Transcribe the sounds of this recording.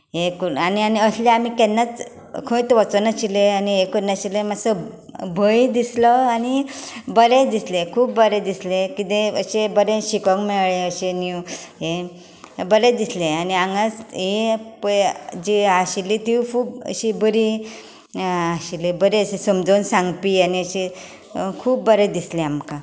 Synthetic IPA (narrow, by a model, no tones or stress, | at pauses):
ɦekəɾanianiəsleamikɛnːat͡s | kʰə̃t̪ʋət͡sənaɕileaniɦekəɾnaɕilemasə | bʱəid̪islɔanibəɾed̪islekʰuːp̚bəɾed̪islekit̪ẽə̰ɕebəɾẽɕikɔkmeɭɭeəɕeniuɦe | bəɾẽd̪isleaniãŋɡasɦepəd͡ʑiaɕilit̪iwkʰuːpə̰ɕibəɾi | aɕilebəɾeəɕesəmd͡zonsãŋɡpiːaniəɕe | kʰuːp̚bəɾed̪isleamkã